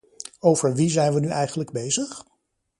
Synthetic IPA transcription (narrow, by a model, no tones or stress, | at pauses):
owvəɹʋizɛjnʋənyʔɛjχənləɡ̚bejzəχ